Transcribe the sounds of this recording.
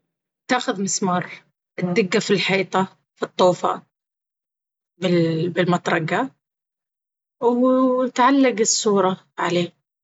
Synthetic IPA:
t̪aːxʊðmɪsmɑːɾˤ | ʔɪd̪ːɪɡːafilħiːt̪ˤɑ | fit̪ˤːuːfa̰ | bɪlbɪlmɑt̪ˤɾˤɑɡa | wt̪ʕalːaɡɪsˤːuːɾˤɑ | ʕaleː

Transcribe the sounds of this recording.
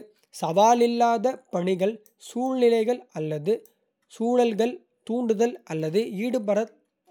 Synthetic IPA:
sɐʋaːlɪlːaːðɐpɐɳɪɣɐɭ | suːɻnɪlɐɪɣɐɭɐlːɐðɯ | suːɻɐlɣɐɭ | t̪uːɳɖɯðɐlʔɐlːɐðɯiːɽɯpɐɾɐ

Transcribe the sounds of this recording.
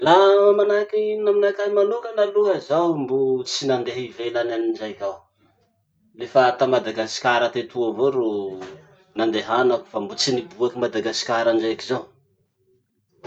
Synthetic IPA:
laamanakinaminakamanukənaluɦəzawmbut͡sinand̪eɦivelananind͡ʒajkʲaw | lefat̪amad̪aɡasi̥kʲaɾət̪et̪uavoɾo | nand̪eɦanaku̥fambut͡sinibuakimad̪aɡasi̥kʲaɾaɳd͡ʒajakizaw

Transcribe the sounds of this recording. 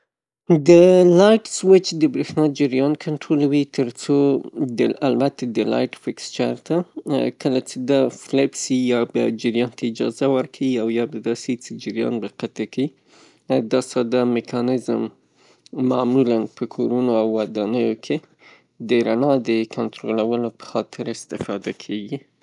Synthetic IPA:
d̪əlɑjʈswɪt͡ʃd̪əbɾexnɑd͡ʒɪɾjɑnkʰaɳʈɾolawit̪əɾt͡sod̪əalbat̪ad̪əlɑ̰jʈfɪkst͡ʃaɾt̪akəlat͡sed̪aflabsijɑba̰d͡ʒɪɾjɑnt̪ʰaɪd͡ʒɑ̰zawəɾkʰawiawjɑbad̪ɑset͡sed͡ʒɪɾjɑ̰nbaqat̪akai | d̪ɑsɑd̪amɪkʰɑnɪzəmː | amulanpəkʰoɾunoawːad̪ɑnəjokʰe | d̪əɾanɑd̪əkʰant̪ɾolawəlopə̥xɑt̪ʰɪɾɪst̪ɪfɑd̪akʰeɡi

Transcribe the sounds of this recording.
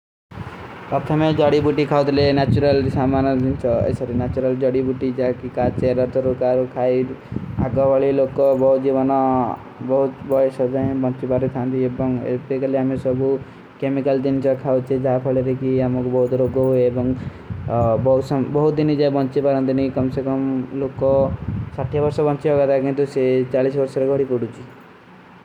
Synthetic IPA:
ʌpt̪ʰamed͡ʒʌɽibuʈikʰawt̪lenat͡ʃuɾalsamand͡ʒint͡ʃʰʌʌ̰jsʌɾinat͡ʃuɾʌld͡ʒʌɽibuʈid͡ʒakikat͡ʃeɾʌɾt̪ɔɾukaɾukʰaia̰kɔbaɭilokːobʌɦut̪̚d͡ʒibʌnʌ | bʌɦut̪bʌjsʌd͡zaĩbʌnt͡ʃibaɾit̪ʰant̪iebʌŋḛpekaleɦamisʌbu | kemikald̪int͡ʃɔkʰawt͡ʃʰid͡ʒapʰɔɭeɾekiamɔkubɔɦut̪ɾoɡɔɦoeebɔŋ | bɔɦusbɔɦut̪̚d̪inid͡ʒajbɔnt͡ʃibaɾɔ̃nt̪inikɔmsekɔmlokɔsaʈʰːjɔbɔɾsɔbɔnt͡ʃiɦɔɡat̪akint̪uset͡ʃaɭisbɔɾsɔɾɔɡʱɔɽipuɽut͡ʃʰi

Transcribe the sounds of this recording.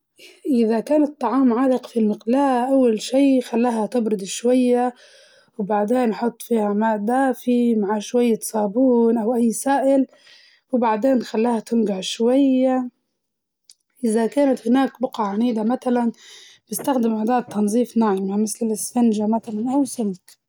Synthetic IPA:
ʔɪðakaːnɪt̪ˤːɑʕɑːmʕaːlɪqfilmɪqlaːʔʔawːalʃiːxalːaːɦat̪ɪbɾʊd̪ʃwajːa | wbaʕd̪eːnħʊt̪ˤːfiːhamaːd̪aːfimaʕaʃwajːat̪sˤɑːbuːnʔawʔajːsaːʔɪl | wbaʕd̪eːnxalːaːhat̪ɪmɡaʕʃwajːa | ʔɪðakaːnat̪hɪnaːkbʊqaʕaniːd̪amat̪alan | b̥ɪst̪axd̪ɪmʔad̪aːd̪̚t̪ʰːɑnzˤiːfnaʕɪmamɪθlɪsfand͡ʒamaθalanʔawsɪmk̪

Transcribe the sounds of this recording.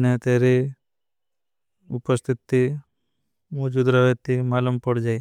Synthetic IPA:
net̪eːɾi | ʊpəst̪ʰit̪ːi | moːd͡ʒud̪ɾaʋet̪ːimaːləmpəɽd͡ʒaːj

